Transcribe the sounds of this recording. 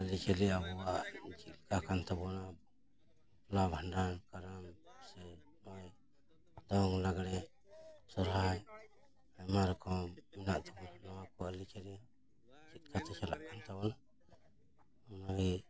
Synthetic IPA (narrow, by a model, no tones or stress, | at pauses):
alit͡ʃɛliabɔwaʔd͡ʒit̪̚kakant̪abɔna | plabʱandankaɾamsɛ | mɔj | d̪ɔŋlaɡɽɛ | sɔɾɦaj | amaɾɔkɔmɛnaʔt̪ʰɛbɔnnɔwakɔalit͡ʃɛlia | d͡ʒit̪̚kʰat̪ɛt͡ʃʰala̰ʔkʰant̪abɔna | ɔnaɦi